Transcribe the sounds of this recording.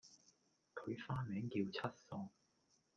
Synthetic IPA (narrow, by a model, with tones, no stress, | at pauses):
kʰɵ˨˧ɥfaː˥mɛː˨˥ŋkiː˧wt͡sʰɐ˥t̚sɔː˧ŋ